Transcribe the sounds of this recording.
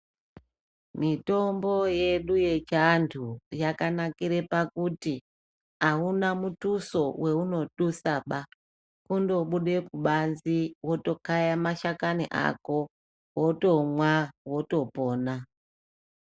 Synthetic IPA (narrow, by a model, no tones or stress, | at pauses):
mito̞mbo̞je̞ɗuje̞t͡ʃantʰujakanakiɾe̞pakuti | aunamutuso̞wʔe̞uno̞ɗusaɓa | kundo̞ɓuɗe̞kuɓanziwo̞to̞kajamaʃakaniʔa̰ko̞ | woto̞mwawo̞to̞po̞ːna